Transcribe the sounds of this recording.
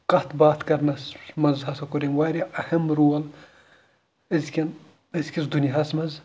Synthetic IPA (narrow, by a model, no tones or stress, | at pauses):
kɐt̪ʰbaːt̪kɐɾnɐsmɐnzɦɐsɐkuɾʲinwaːɾʲiʔɐhɐmɾuːɐl | ɐzʲkʲin | ɐzkʲisd̪uniɦɐsmɐz